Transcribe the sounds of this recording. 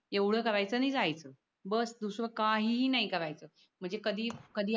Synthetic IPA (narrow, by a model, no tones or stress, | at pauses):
eʋɽ̤əːkəɾajt͡səːnid͡zajt͡səː | bəsd̪usʋəkaɦinaɦikəɾʋajt͡səː | m̤əɳd͡zekəd̪ʱiːkəd̪ʱiː